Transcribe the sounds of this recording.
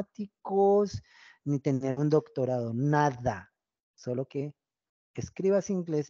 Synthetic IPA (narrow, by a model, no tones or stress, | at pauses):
t̪ikos | nit̪e̞neɾund̪o̞kt̪o̞ɾaðo̞naða | solo̞ke̞ː | skɾiβasiŋɡle̞s